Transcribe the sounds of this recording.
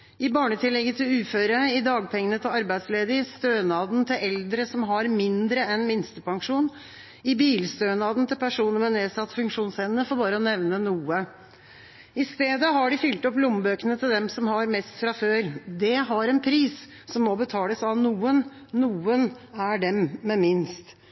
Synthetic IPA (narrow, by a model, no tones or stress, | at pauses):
ɪbɑːɳət̪ʰɪlːɛɡːət̪ʰɪlʉːføːɾəɪd̪ɑːɡpʰɛŋːənət̪ʰɪlɑɾbæɪd̪sleːd̪ɪst̪øːnɑːd̪nt̪ʰɪlɛld̪ɾəsɔmɦɑɾmɪnd̪ɾəɛnmɪnst̪əpʰɑŋʂuːn | ɪbiːlst̪øːnɑːd̪n̩t̪ʰɪlpʰæʂuːnəɾmɛneːsɑt̪ːfʉŋkʂuːnsɛnənəfɔːɾbɑːɾəɔnɛʋnənuːə | ɪst̪eːd̪əɦɑɖɪfʏlt̪ɔplʊmbøːkənət̪ʰɪld̪ɛmsɔmhɑɾmɛst̪fɾɑføːɾd̪ɛɦɑɾɛnpʰɾiːs | sɔmːɔbət̪ʰɑːləsɑʋnuːən | nuːənæɖɛmːɛmɪnst̪